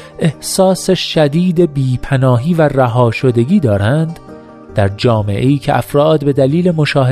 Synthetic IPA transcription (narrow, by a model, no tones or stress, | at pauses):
ʔe̞hsɒːseʃæd̪iːd̪e̞biːpʰænɒːɦiːværæɦɒːʃo̞d̪e̞ɡiːd̪ɒːɾænd̪ | d̪̥æɾd͡ʒɒːme̞̰ʔe̞iːcʰe̞ʔæfɾɒːd̪be̞d̪æliːle̞mo̞ʃɒːɦe